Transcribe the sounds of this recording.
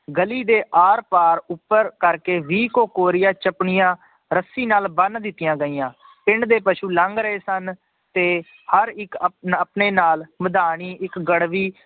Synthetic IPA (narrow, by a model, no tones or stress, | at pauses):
ɡəliːd̪eːʔaːɾpaːɾʊpːəɾkəɾkeːʋiːkoːkoːɾɪjaːt͡ʃəpɳɪjãː | ɾəsiːnaːlbənd̪ɪt̪ːɪjãːɡəiːãː | pɪɳd̪eːpəʃuːləŋɡɾəeːsən | t̪eː | həɾɪkəpneːnaːlməd̪aːɳiːɪkɡəɽʋiː